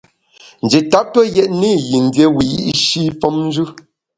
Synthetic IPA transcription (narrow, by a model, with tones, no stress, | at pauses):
n̩˨d͡ʒi˨ta˦p̚tɔ˦jɛ˦ʔni˦˨ji˨n˨˦dje˦wi˨ʔi˦ʔʃi˦fɔ˦mn˦d͡ʒʉ˦